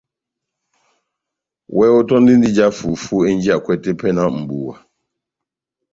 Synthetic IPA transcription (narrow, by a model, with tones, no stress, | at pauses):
wʔɛ˦ʊ˦tɔ˦n̩˦dɪ˦n̩˦dɪ˦d͡ʒa˦fu˨fu˦e˦n̩˦d͡ʒi˦a˨kʷɛ˦te˦pɛ˦na˨m̩˨bu˨wa̰˨